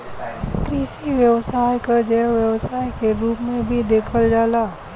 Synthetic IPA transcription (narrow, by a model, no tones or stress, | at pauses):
kɾiːʃiʋjəwsaːjkad͡ʒɛʋjəwsaːjkeɾuːpmẽbʱid̪eːkʰəld͡ʒaːlaː